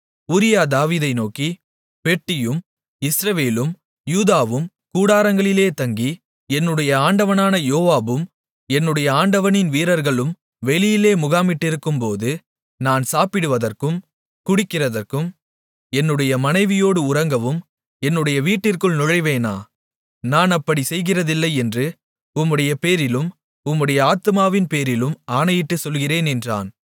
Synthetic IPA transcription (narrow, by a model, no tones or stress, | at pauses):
ʊɾɪjaːd̪aːʋiːðɐɪnoːki | pɛʈːɪjɯm | ɪsɾɐʋeːlɯm | juːðaːʋɯm | kuːɽaːɾɐŋɡɐɭɪleːt̪ɐŋɡi | ɛnːɯɽɐjɐaːɳɖɐʋɐnaːnɐjoːʋaːbɯm | ɛnːɯɽɐjɐaːɳɖɐʋɐnɪnʋiːɾɐɾɣɐɭɯm | ʋɛɭɪjɪleːmʊɣaːmɪʈːɪɾɯkːɯmpoːðɯ | naːnsaːpɪɽɯʋɐðɐrkɯm | kʊɽɪkːɪrɐðɐrkɯm | ɛnːɯɽɐjɐmɐnɐɪʋɪjoːɽɯʊrɐŋɡɐʋɯm | ɛnːɯɽɐjɐʋiːʈːɪrkɯɭnʊɻɐɪʋeːna̰ː | naːnɐpːɐɽisɛjɣɪrɐðɪlːɐɪɛndrɯ | ʊmːɯɽɐjɐpeːɾɪlɯm | ʊmːɯɽɐjɐaːt̪ɯmaːʋɪnpeːɾɪlɯmaːnɐjɪʈːɯsɔlɣɪreːnɛndra̰ːn